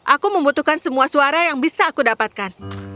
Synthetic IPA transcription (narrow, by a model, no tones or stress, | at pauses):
ʔakuməmbut̪uhkansəmuasuaɾajaŋbisaːkudapat̪̚kan